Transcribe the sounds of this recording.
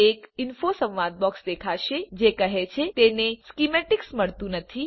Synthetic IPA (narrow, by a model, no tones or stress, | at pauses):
ekɪnfosə̃ʋʋad̪̚bɔksd̪ekʰaʃed͡ʒekəɦet͡ʃʰet̪eneskimeʈɪksməɭt̪ũnət̪ʰi